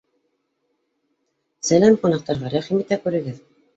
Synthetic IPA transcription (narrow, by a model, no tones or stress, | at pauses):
sælæmqunɑq̚t̪ɑɾʁɑɾæχimit̪ækʉɾɘ̆ɡɘð